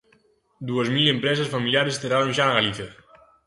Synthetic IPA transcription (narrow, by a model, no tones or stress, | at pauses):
d̪uezmilempɾɛzesfamiljaɾest̪eɾaɾonʒanaɣaliθjə